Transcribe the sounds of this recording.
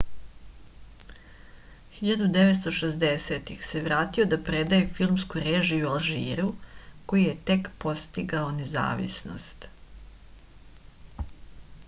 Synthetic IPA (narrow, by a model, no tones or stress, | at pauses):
xiʎad̪ud̪eʋet̪st̪o̞ʃezd̪eset̪ixse̞ʋɾaːt̪io̞d̪apɾed̪ajefilˠmskuɾeːʒiualˠʒḭːɾuko̞jijet̪e̞kpo̞st̪iɡao̞neza̰ːʋḭsno̰st̪